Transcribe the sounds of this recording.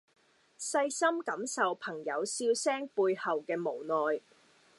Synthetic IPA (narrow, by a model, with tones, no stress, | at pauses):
sɐ˧jsɐ˥mkɐ˨˥msɐ˨wpʰɐ˨˩ŋjɐ˨˧wsiː˧wsɛː˥ŋpuː˧jhɐ˨wkɛː˧mo˨˩wnɔː˨j